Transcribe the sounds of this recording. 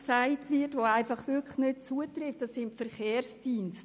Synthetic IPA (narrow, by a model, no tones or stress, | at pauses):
saɪtvɪtʋoaɪfɑχvʏkʰləxnøt͡suətrɪftd̥ɑsːɪntfɛɾχeːɾsd̥iːnst